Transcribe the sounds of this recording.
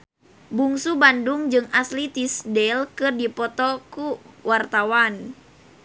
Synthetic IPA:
buŋsubanduŋd͡ʒɨŋaslit̪isdɛlkɨrdipɔt̪ɔkuwart̪awan

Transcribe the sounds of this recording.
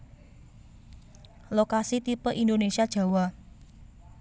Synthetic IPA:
lokasit̪ipəʔind̪onesiad̥ʒ̥a̤wɔ

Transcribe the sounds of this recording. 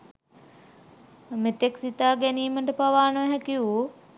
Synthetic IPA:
met̪eksit̪aːɡæniːməʈəpaʋaːnəʋæɦɛkiu

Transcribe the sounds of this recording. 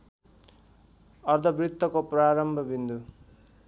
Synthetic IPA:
ʌrd̪ʱʌbrit̪ːʌkopraɾʌmbʱʌbind̪u

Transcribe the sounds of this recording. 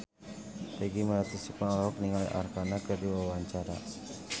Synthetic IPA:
t̪aɡiməɾat̪isukaaɔk̚niŋalʔa̰rkanakərdiwawaɲt͡ʃaɾa̰

